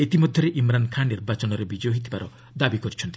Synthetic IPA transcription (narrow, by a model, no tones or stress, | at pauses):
et̪imɔd̪ʱjɔɾeʔimɾankʰannːiɾbat͡ʃɔnɔɾebid͡ʒoɦit̪ʰibaɾɔ | d̪abikɔɾit͡ʃʰɔnt̪i̥